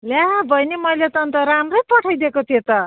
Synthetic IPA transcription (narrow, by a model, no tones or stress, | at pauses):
ljabʱʌjnimʌjlet̪ʌnt̪ʌɾamrʌjpʌʈʰajd̪ekot̪ʰiet̪ʌ